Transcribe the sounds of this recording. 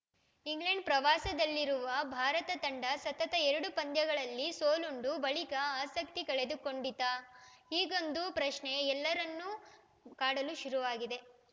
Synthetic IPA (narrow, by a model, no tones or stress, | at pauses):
iŋɡleɳɖ̚pɾɐʋaːsɐd̪ɐlːiɾuʋɐbʱaːɾɐt̪ɐt̪ɐɳɖɐsɐt̪ɐt̪ɐɛɾɐɽupɐnd̪jɐɡɐɭɐlːisoːluɳɖubɐɭikɐaːsɐk̚t̪ikɐɭe̞d̪uko̞ɳɖid̪aːiːɡo̞nd̪upɾɐʃɳe̞ɛlːɐɾɐnːu | kaːɽɐluʃuɾuʋaːɡid̪e̞